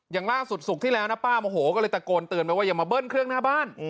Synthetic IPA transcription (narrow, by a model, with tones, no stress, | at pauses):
jaː˨˩ŋlaː˥˩su˨˩t̪̚su˨˩k̚t̪ʰiː˥˩lɛ˦wna˦˥paː˥˩mo˧ɦoː˩˦kɔː˥˩lɤː˧jt̪a˨˩koː˧nt̪ɯ˨˧ənpa˧˩waː˥˩ja˨˩ŋmaː˧bɤː˥˩nkʰɾɯ˥˩əŋnaː˥˩baː˥˩n